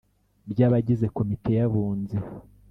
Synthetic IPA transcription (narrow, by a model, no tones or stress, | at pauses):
bjaːβaɟize̞ko̞mite̞jaβuːnze